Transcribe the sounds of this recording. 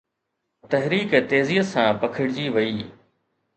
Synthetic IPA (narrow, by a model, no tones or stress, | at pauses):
t̪ɐɦɾiːkːt̪eːziːət̪sãːpɐkʰɪɽɪd͡ʑiːʋɐiː